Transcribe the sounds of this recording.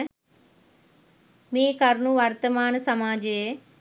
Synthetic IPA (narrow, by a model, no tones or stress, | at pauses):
mẽːkɐɾnuʋaɾt̪əmaːnsɐmaːd͡ʒe